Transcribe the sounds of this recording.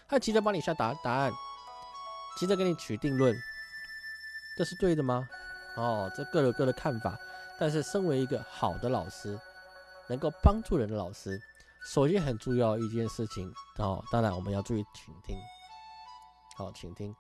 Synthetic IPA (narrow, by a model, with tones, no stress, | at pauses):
a˥t͡ɕʰi˧˥ʈ͡ʂə˥˩pa˥ŋni˨˩ɕja˥˩t̪a˧˥t̪a˧˥˦a˥˩n | t͡ɕʰi˧˥ʈ͡ʂ̩˥˧k̬ə˥ni˨˩t͡ɕʰy˨˩t̪i˥˧ŋlwə˥˩n | ʈ͡ʂʂɻ̩˥˧t̪we˥˩ɪd̪ə˩mɐ˨ɔ˥˩ʈ͡ʂɤ˥˧kɤ˥˩jo˨˩kɤ˥˩d̪ə˩kʰa˥˩nfa̰˨˩˦t̪a˥˧nʂ̬ɻ̩˥˩ʂə˥ŋwe˧˥ɪi˧˥ɡə˧xɑ˨˩ʊd̪ə˦lɑ˨˩ʊʂɻ̩˥ | nɤ˧˥ŋko˥˩ʊpɑ˥ŋʈ͡ʂu˥˩ɻə˧˥nd̪ə˧lɑ˨˩ʊʂɻ̩˥ | ʂo˨˩ʊɕi˥xə˨˩nʈ͡ʂu˥˧jɑ˥˧ʊi˥˧t͡ɕjɛ˥˧nʂɻ̩˥˩t͡ɕʰi˨˩˦ŋɔ̰˥˧˩t̪ɑ˥ŋɻa˧˥nwɔ˨˩mə̰˧˦njɑ˥˧ʊʈ͡ʂu˥˧˩i˥˩t͡ɕʰi˨˩ŋt̪ʰi˦˥ŋ | xɔ̰˥˧˩t͡ɕʰi˨˩ŋt̪ʰi˥ŋ